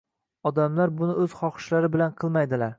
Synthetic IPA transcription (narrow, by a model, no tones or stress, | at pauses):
ɒd̪amlaɾbʊnɪɵz̥χɒχɨ̥ʃlaɾɪbɪlanqʰɨlˠmajd̪ɪlaɾ